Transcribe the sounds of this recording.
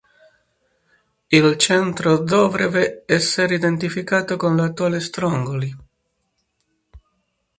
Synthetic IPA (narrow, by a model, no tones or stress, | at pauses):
ilt͡ʃɛnt̪ɾod̪ɔvɾeveɛsːeɾid̪ent̪ifikaːt̪okonlat̪ːuaːlest̪ɾɔŋɡoli